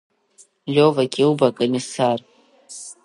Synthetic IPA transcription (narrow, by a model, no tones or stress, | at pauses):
lʲovaɡʲʼɪwbakʼomisar